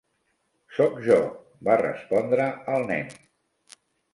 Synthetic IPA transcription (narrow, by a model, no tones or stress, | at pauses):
sɔkʒɔ | barə̰spɔnd̪ɾəəlˠnɛ̰n